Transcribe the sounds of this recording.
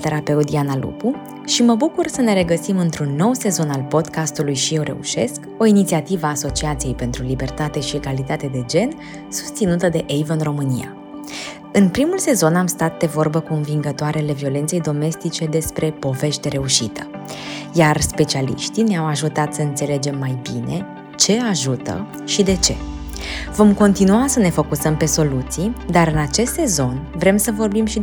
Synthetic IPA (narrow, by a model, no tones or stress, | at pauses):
t̪e̞ɾape̞ud̪ianalṵpu | ʃiməbukursəne̞ɾe̞ɡəsimɨnt̪ɾunːo̞wse̞zo̞nalpo̞d̪kast̪ulujʃije̞wɾe̞̰ṵʃe̞̰sk | o̞init̪siat̪ivəaːso̞t͡ʃiat̪sije̞jpe̞nt̪ɾulibe̞rt̪at̪e̞ʃieɡalit̪at̪e̞d̪e̞d͡ʒe̞n | su̥st̪sinut̪əd̪e̞ʔejvəɨnro̞mɨnija̰ | ɨnpɾimulse̞zo̞namst̪at̪̚d̪e̞vo̞rbəkonviŋɡət̪oaɾeale̞vio̞le̞nt̪se̞jd̪o̞me̞st̪it͡ʃe̞d̪e̞spɾe̞po̞ve̞ʃt̪e̞ɾe̞uʃit̪ʰə̥ | jarspe̞t͡ʃialḭʃt̪ineawaʒut̪at̪səɨnt̪se̞le̞d͡ʒe̞mːajbine̞ | t͡ʃe̞aʒut̪ə̰ | ʃid̪e̞t͡ʃe̞̰ | vo̞mko̞nt̪inuasəne̞fo̞kusəmpe̞so̞lut̪sijd̪aɾɨnat͡ʃe̞st̪se̞zo̞nvɾe̞msəvo̞rbimʃi